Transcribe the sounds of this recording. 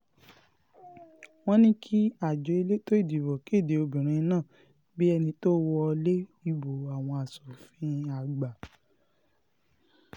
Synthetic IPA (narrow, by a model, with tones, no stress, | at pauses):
w̃ɔ̃˦nĩ˦kʰi˦a˦˨d͡ʒo˨˦e˧le˦to˦i˦˨di˨bɔ˨ki˨˦˨de˨o˧bĩ˨ɾ̃ĩ˨˧˦nãː˦˨ | bi˦ɛ˧nĩ˧to˦wɔ˧le˦i˦˧bo˨a˨w̃ɔ̃˧a˨sɔ˨fĩ˦a˨ɡ͡ba˨